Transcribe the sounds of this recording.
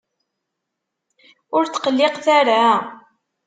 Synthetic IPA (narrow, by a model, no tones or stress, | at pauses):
ʊɾt͡sːqəlːɪqθaɾa